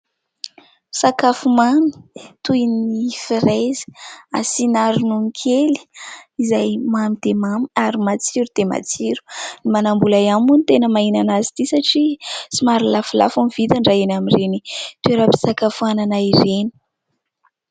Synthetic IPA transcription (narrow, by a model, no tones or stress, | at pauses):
sakafumami̥t̪ujnifiɾejzi̥a̰sinaɾunuŋkʰeli̥izajmamid̪̥emamiaɾimat͡siɾud̪̥ema̰t͡siɾu̥nimanambulajamunit̪enəmainanazit̪isaʈ͡ʂisimaɾilafula̰fumivit̪aɳɖ͡ʐaenamirenit̪ueɾabi̥sakafuananaiɾeni̥